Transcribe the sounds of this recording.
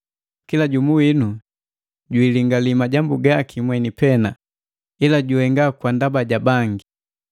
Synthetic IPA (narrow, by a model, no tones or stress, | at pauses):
kilaɟumuwinu | ɟwiliŋɡalimaɟambuɡakimwɛnipɛna | ilaɟuhɛŋɡakwandabaɟabaŋɡi